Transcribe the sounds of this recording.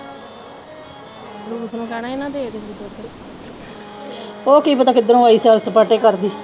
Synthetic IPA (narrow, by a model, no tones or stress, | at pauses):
lut̪nũːkɛːnaːɪnãːd̪eːed̪eid̪ot̪əɾ | oːkiːpət̪aːkɪd̪əɾõːəiːsaːlsəpəːʈeːkəɾd̪iː